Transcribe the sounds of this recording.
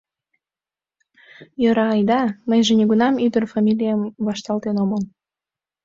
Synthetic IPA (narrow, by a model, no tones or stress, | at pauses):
jəɾɑːjd̪ɑməjʒenʲiɣunɑmyd̪ərfɑmʲilʲijəmβɑʃt̪ɑlt̪enoməm